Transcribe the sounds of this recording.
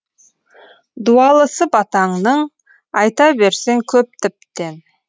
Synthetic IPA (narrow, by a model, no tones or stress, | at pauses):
d̪uɑlˠəsəpɑt̪ɑɴnəɴ | ɑjt̪ɑbe̞ɾse̞ŋkʲʰɵp̚t̪ʰɪp̚t̪e̞n